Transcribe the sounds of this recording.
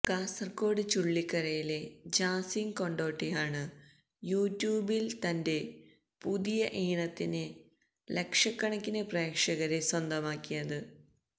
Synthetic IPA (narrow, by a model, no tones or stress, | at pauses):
kaːsɐrko̞ːɽɨt͡ɕuɭːikːɐɾɐjile̞d͡ʑaːsiŋko̞ɳɖo̞ːʈːijaːɳɨ | juːtːjuːbilt̪ɐnde̞ | puðijɐʔiːɳɐt̪ːinɨ | lekʂɐkːɐɳɐkːinɨpreːkʂɐɣɐɾeswɐnd̪ɐmaːkːijɐðɨ